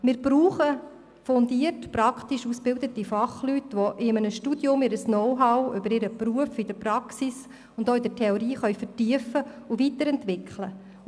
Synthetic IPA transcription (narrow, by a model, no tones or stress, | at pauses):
mɪːɾbɾuːχə | fɔnd̪iərtpɾɑkʰt̪iʃusb̥ɪld̪ətifɑχlytʋoʔɪmənəʃtud̥jʊmɪɾəsnɔwɦɑʊʏbəɾɪɾəpɾuəfɪd̥əpɾɑksis | ʊndoːɪdətʰɛɔɾiːχœʏfəɾtiəfəʊvitəɾɛntʋɪkχlə